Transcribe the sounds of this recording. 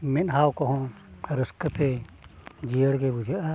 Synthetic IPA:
mɛnɦawkɔɦɔ̃ | ɾəskət̪ɛ | d͡ʒijəɽɡɛbud͡ʒaʔa

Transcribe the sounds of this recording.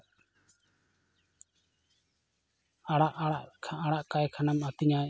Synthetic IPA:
aɽaʔaʔkʰaɽaʔkajkʰanamat̪iɲa

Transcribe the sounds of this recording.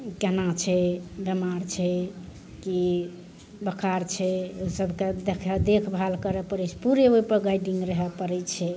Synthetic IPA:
kenat͡ʃʰɛbemaɾt͡ʃʰɛ | ki | bəkʰaɾt͡ʃʰɛosəbʱked̪ekʰɛd̪ekʰbʱalkəɾɛpəɾɛt͡ʃʰɛ̥puɾeoipəɾɡajɖiŋɡɾəɦɛpəɾɛt͡ʃʰɛ

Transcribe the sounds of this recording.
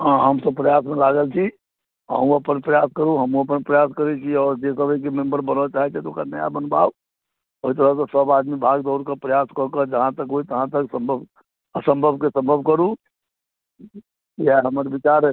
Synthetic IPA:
ɦãɦəmsəbpɾəjasmẽlaɡəlt͡ʃʰi | ə̰ɦũəpənpɾəjaskəɾũɦəmũəpənpɾəjaskəɾet͡ʃiɔːɾd͡ʒesəbʱək̬emẽmbəɾbənət͡ʃaːɦɛt͡ʃʰɛt̪ɔokanəja̰bənba̰ː | oɦit̪̬əɾəɦsɔsəbad̪mibʱaɡd̪ɔːɾkəpɾəjaskɔkəd͡ʒəɦãt̪əkɦoit̪əɦãt̪əksə̃mbʱəb | əsə̃mbʱəbʱkesə̃mbʱəbʱkəɾũ | jɛɦəmɾbit͡ʃaɾ

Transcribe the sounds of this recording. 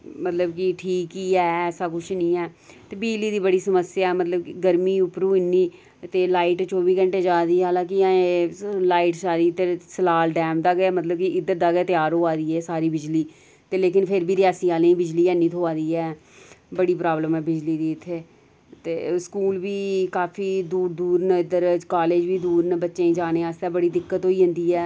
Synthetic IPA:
mət̪ləbkɪʈʰiːkːiɛːɛːsaːkʊt͡ʃʰnĩːɛː | t̪eːbid͡ʒliːd̪iːbəɽiːsəməsɪjaːɛːmət̪ləbkɪɡəɾmiːʊpɾũːɪnːiː | t̪eːlaːiːʈt͡ʃoːbiːɡəɳʈeːd͡ʒaːd̪iːɦaːlãːkiãelaːiːʈsaːɾiːt̪eːsəlaːlɖɛːmd̪aːɡaːmət̪ləb̚kɪɪd̪ət̪̚d̪aːɡeːt̪ɪjaːɾɦoːaːd̪iːɛːsaːɾiːbɪd͡ʒliː | t̪eːleːkɪnpʰɪɾbiːɾɪaːsiːaːlẽĩːbɪd͡ʒliːɛːniːt̪ʰoːaːd̪iːɛː | bəɽiːpɾaːbləmɛːbɪd͡ʒliːd̪iːɪt̪ʰːeː | t̪ḛːskuːlbiːkaːpʰiːd̪uːɾd̪uːɾnɛɪd̪əɾkaːleːd͡ʒbiːd̪uːɾnɛbətːʃẽːĩːd͡ʒaːneːaːst̪ɛːbəɽiːd̪ɪkːət̪ɦoːiːɦʊ̃nd̪iːɛː

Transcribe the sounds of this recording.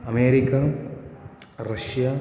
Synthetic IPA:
ɐmeːɾikːɐ | rɐɕjɐ

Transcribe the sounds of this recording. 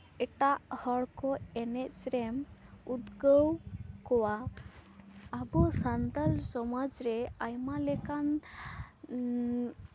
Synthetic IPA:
ɛʈaʔhɔɽkɔɛnɛcsɾɛmud̪ɡəwkɔwa | abɔsand̪alsɔmad͡ʒɾɛajmalɛkan

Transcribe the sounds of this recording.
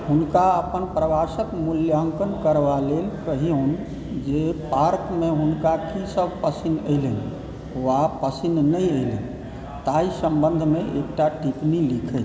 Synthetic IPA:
ɦunkaəpənpɾəʋasəkmuljəŋkənkəɾʋalelkəɦion | d͡ʒepaɾkmeɦunkakʰisəbʱpəsinəɪlən | ʋapəsinnəəɪlən | t̪aisə̃mbə̃nd̪ʱmeʔḛkʈaʈipnilikʰɛt͡ʃ

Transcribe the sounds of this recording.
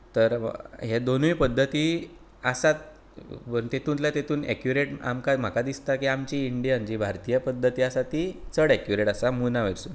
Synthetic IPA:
t̪əɾɦed̪onuʋipəd̪ʱːət̪iː | asat̪̚ | pəɾnt̪et̪ʰuːnlat̪et̪ʰuːnḛkjuɾeʈa̰mkam̤akad̪ist̪akiamt͡ɕiːɳɖijand͡ʑibʱaɾt̪ijəpəd̪ʱːət̪iːasat̪it͡səɽɛkjuɾeʈasamunaʋeɾsuːn

